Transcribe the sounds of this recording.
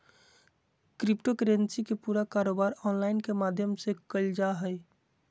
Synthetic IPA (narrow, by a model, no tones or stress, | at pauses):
kɾipʈokɾensikepuːɾakaɾoːbaɾɔnlaɪnkemad̪ʱjəmsekəld͡ʒaɦəj